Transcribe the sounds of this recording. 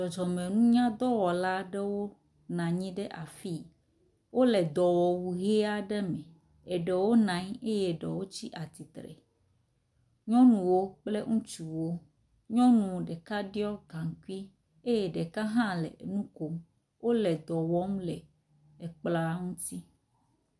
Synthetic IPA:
d͡ʒɔ˨d͡ʒɔ˨mẽ˨nũ˦ɲã˦d̪ɔ˦wɔ˨la˦ɖɛ˦wo˦ | nã˨ɲĩ˦ɖɛ˦ʔa˨fi˦ | wo˦lɛ˨d̪ɔ˨wɔ˨wu˨ɦe˦a˦ɖɛ˦mɛ̃˨ | e˨ɖɛ˨wo˦nã˨˦ɲe˦je˦ɖɛ˨wo˦t͡ɕi˦ʔa˨t̪i˨t̪ɾɛ̰˨ | ɲɔ̃˦nũ˨wo˦k͡ple˦ŋũ˦t͡ʃu˨wo˦ | ɲɔ̃˦nũ˨ɖɛ˨ka˦ɖi˦ɔ˦ɡa˨ŋ˨ku˦i˦ | e˦jɛ˨ɖe˨ka˦ɦã˦lɛ̰˨nũ˦ko˨m | wo˦lɛ˨d̪ɔ˨wɔ˦m˦lɛ˨ | e˨k͡pla˦ŋũ˦t̪i˦

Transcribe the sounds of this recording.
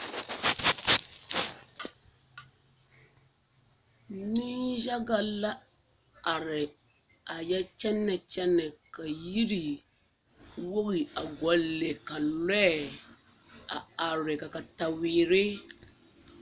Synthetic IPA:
ni˦ʒa˦ɡa˨la˦ | a˨ɾɪ˨ | a˨jɛ˦t͡ʃɛ˦nːa˨t͡ʃɛ˦nɛ˨ka˨ji˦ɾi˨ | wo˦ɣi˨a˨ɡɔ˨lːe˨ka˨lɛ˦˨ | a̰˨a˨ɾɪ˨ka˨ka˨ta˨wiː˨ɾɪ˦

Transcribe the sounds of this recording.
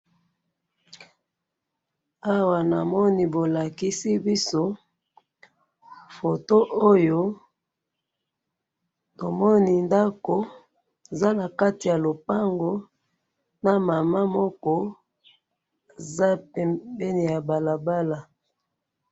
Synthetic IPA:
a˦wa˨na˨mɔ˦ni˨bo˨la˨ki˦si˦bi˦so˦ | fo˨to˦ʔo˦jo˦ | to˨mɔ˦ni˨nda˦ko˨ | e˨za˦na˨ka˦ti˨ja˨lo˨pa˦ŋɡo˦ | na˨ma˨ma˦mɔ˦kɔ˦ | e˨za˦pɛ˨bɛ˦ni˨ja˨ba˨la˨ba˦la˨

